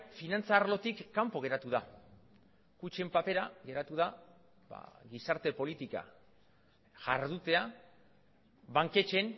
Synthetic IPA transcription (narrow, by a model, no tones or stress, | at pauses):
finant͡saːɾlo̞t̪ikːampo̞ɣ̞e̞ɾat̪uða | kut͡ʃe̞mpape̞ɾaɣe̞ɾat̪uða | ba̰ɣisaɾt̪e̞po̞lit̪ika̰ | ʝaɾðut̪e̞a | baŋke̞t͡ʃe̞n